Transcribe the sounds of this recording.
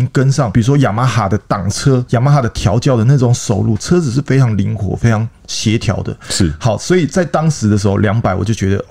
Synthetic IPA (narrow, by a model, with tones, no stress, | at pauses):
ŋkə˥nʂɑ˥˩ŋpi˨˩ɻu˧˥ʂwɔ˥ja˨˩ma˧˥xa˨˩d̪ə˦t̪ɑ˨˩ŋt͡sʰɤ˥ja˨˩ma˧˥xa˨˩d̪ə˦t̪ʰjɑ˧˥ʊt͡ɕjɑ˥˩ʊd̪ə˩na˥˩ʊ˧˦˥ŋʂo˨˩ʊlṵ˥˩t͡sʰɤ˥t͡sɹ̩˨˩ʂ̬ɻ̩˥˩fe˥ɪʈ͡ʂʰɑ˧˥ŋli˧˥ŋkʰwɔ̰˨˥˦fe˥ɪʈ͡ʂʰɑ˧˥ŋ | ɕjɛ˧˥t̪ʰjɑ̰˧˥ʊd̪ə̰˧ʂ̩˥˩hɑ˨˩˦ʊswɔ˧˥i˨˩t͡sa˥˩ɪt̪ɑ˥ŋʂɻ̩˧˥d̪ə˧ʂ̬ɻ̩˧˥xo˥˧ʊljɑ˧˥ŋpa˨˩ɪwɔ̰˨˩t͡ɕo˥˩ʊt͡ɕɥɛ˧˦d̪ə̰˧